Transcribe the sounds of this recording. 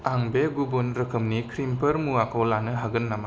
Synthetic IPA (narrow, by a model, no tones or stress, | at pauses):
aŋbeɡubunɾɐkʰɯmnikʰɾimpʰɐɾmuakʰowlanɯɦaɡɯnːama